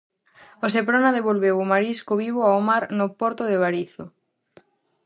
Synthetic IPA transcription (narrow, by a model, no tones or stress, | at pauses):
osepɾonaðeβolβewomaɾiskoβiβoaomaɾnopoɾt̪oðeβaɾiθo